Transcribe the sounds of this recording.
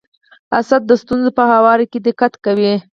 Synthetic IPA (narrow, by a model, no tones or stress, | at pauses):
asad̪̚ːəst̪unzopəhawɑɾiked̪ɪkat̪kawi